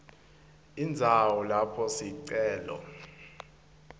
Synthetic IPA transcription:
ind͡zʱawɔlapʰɔsiǀɛːlɔ̰

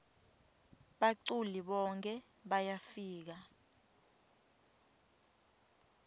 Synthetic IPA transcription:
ɓaǀuliɓɔŋkʰʼɛɓajafiːk̬a

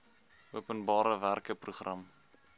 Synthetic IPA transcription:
uəpənbɑːɾəværkəpruχrɐm

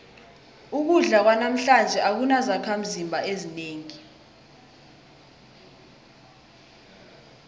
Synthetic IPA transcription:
uk̬uɮak̬wanam̩ɬand͡ʒʱɛʔak̬unazakʰam̩zimbʱaezineːŋi

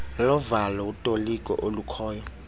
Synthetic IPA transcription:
lɔvalautʼolikʼɔ̰ʔolukʰɔːjɔ

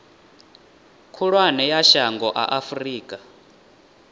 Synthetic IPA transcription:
kʰuɺwanɛjaʃaŋɡɔʔa̰ʔafriːkʼa

